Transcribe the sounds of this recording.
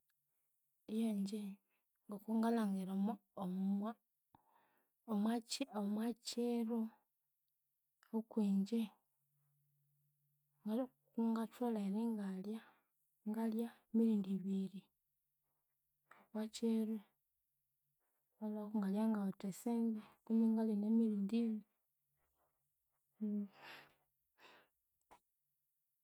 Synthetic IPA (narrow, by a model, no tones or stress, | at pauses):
ejaɲd͡ʒe | ŋɡakoŋɡalaŋɡeɾamooma | omwat͡ʃiaomwat͡ʃeɾo | okwiːɲd͡ʒe | ŋɡa | kuŋɡatolaeɾiŋɡalja | ŋɡaljaemiɾiːndiβiɾi | okwat͡ʃeɾe | walakuŋɡaljaŋɡaotesendekuniŋɡalenemiliːndiβi